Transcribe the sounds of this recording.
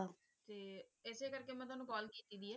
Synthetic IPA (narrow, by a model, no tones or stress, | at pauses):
a | t̪eːɪseːkəɾkeːmɛ̃ːt̪ʊaːnũːkɔːlkiːt̪iːd̪iːɛː